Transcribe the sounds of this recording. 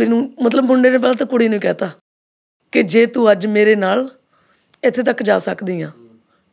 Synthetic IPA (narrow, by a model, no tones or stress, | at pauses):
iːnũːmət̪ləbɦʊɳɖeːneːp̬ɛːlaːt̪ãːkʊɽiːnũiːkɛːt̪aː | kɪd͡ʒeːt̪uːəd͡ʒmeːɾeːnaːl | ɪt̪ʰːeːt̪̬əkːd͡ʒa̰ːsəkd̪iːjãː